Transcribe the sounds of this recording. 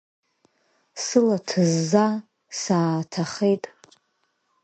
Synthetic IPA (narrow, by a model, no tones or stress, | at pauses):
sɨlatʰɨzːa | saːtʰaχejtʼ